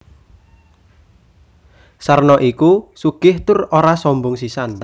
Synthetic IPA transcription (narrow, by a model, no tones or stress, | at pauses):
sarnɔʔikusuɡ̥ɪht̪ʊroɾasɔmbʊŋsisan